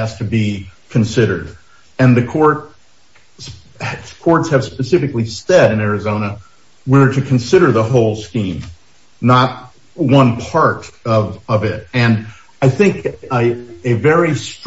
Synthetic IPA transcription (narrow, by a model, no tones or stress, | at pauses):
æz̥tʰɨbikʰɨ̃nsɪɾə̰˞ɾ | ɨ̃nðɨkʰɔɹt̚ | s | kʰɔɹtshɨv̥spɨsɪfɨklisɛɾɨ̃nɛɹɨzõʊ̃ñə | wəɹɾɨkʰɨ̃n̩sɪɾə˞ðəɦoʊlˠskĩm | nət̚ | wʌ̃npʰɑɹɾʌvʌvɪt̚ɨ̃n | aɪθɪ̃ŋk | ɨvɛɹist